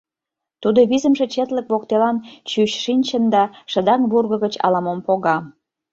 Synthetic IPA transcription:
t̪ud̪oβizəmʒĕt͡ɕet̪ləkβok̚t̪elɑnt͡ɕyɕʃinʲt͡ɕənd̪ɑʃə̆d̪ɑŋβurɣə̆ɣət͡ɕɑ̰lɑmompoɣɑ

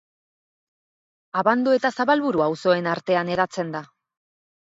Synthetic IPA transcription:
aβand̪ue̞t̪asaβalβuɾuawso̞e̞naɾt̪e̞ane̞ðat͡se̞nd̪a

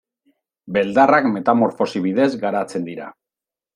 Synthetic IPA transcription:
be̞ld̪arakme̞t̪amoɾfo̞siβ̞iðe̞zɡaɾat͡se̞nd̪iɾa̰

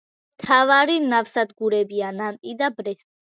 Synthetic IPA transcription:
mt̪ʰavaɾinafsad̪ɡuɾɛbianant̪ʼid̪abɾɛst̪ʼ

